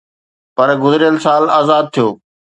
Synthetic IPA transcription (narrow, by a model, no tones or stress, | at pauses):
pɐɾɡʊzɪɾɪjəlsaːlaːzaːd̪̚t̪ʰijoː